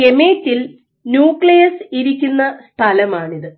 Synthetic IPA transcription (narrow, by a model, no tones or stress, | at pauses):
e̞me̞ːtːil | njuːkɭɐjɐsiɾikʲːunːɐst̪ʰɐlɐmaːɳiðɨ